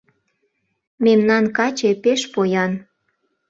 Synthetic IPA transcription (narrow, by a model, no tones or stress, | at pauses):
memnɑnkɑt͡ɕepeʃpojɑn